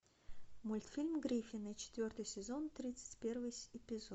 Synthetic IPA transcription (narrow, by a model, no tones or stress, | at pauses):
mʊlʲt̪fʲilʲmɡɾʲifʲɪnɨt͡ɕɪ̥t̪vʲo̞rt̪ɨjsʲɪzo̞nt̪ɾʲit̪sɨ̥tʲpʲe̞rvɨjɪpʲɪzo